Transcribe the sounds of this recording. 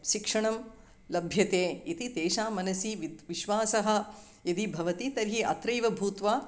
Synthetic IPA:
ʃikʂɐɳɐm | lɐbʱjɐt̪eːit̪it̪eːʃaːmɐnɐsiʋiʋiʃʋaːsɐɦɐ̆ | jɐd̪ibʱɐʋɐt̪it̪ɐɾɦiʔɐ̰t̪ɾɐjʋɐbʱuːt̪ʋaː

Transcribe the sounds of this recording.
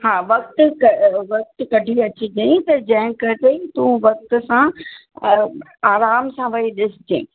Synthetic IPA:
haːʋɐkt̪ʊkɐʋɐk̚t̪kɐɖʱiɐt͡ɕiɡɐĩt̪ɐd͡ʑɐ̃ɦɪ̃kɐʈet̪ũʋɐk̚t̪ʊ̆sã | aːɾaːmsãʋɐɦiɗɪsɪd͡ʑḛ̃ː

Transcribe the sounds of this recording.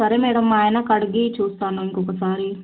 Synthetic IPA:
ɐɾemeːɽɐmːaːenakɐɽɡit͡ʃʰuːst̪aːnonkokɐsaːɾi

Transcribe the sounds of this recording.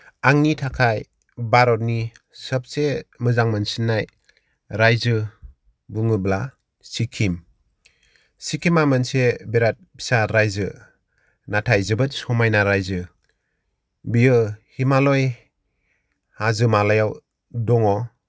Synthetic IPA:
aŋnitʰakʰaj | baɾɔt̚ni | səp̚semɯzaŋmɯnsinːaj | ɾajzɯ | bɯŋɯbla | sikʰim | sikʰimamɯnsebeɾat̚pʰi̥saɾajzɯ | natʰajzɯbɯtsɔmajnaɾajzɯ | bijɯhimalɔj | hazɯmalajaw | dɔŋɔ

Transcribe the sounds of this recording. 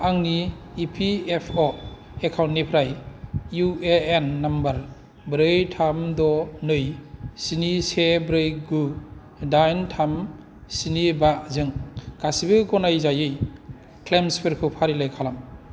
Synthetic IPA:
aŋniːpʰiepʰɔ | ekʰawntnipʰɾajjueenːambaɾ | bɾɯjtʰamdɔnɯjsinisebɾɯjɡu | dajntʰam | sinibazɯŋkasibɯɡɔnajzajɯj | kʰlemspʰeɾkʰɯpʰaɾilajkʰalam

